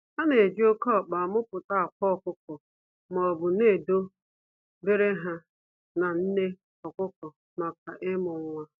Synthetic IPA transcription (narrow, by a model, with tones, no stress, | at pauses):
a˦ne˨d͡ʒi˦o˦kɔ˦˨k͡pa˨mʊ˦pʊ˨ta˦a˨kʷɔ˦ɔ˨kʊ˦kɔ˨ | m˨ɔ˨bʊ˨ne˦˨do˦ | be˦ɾe˦ɦa˦ | na˨n̩˦ne˦ | ɔ˨kʊ˦kɔ˨ | ma˨ka˨ʔɪ˦mʊ˨ŋʷa˦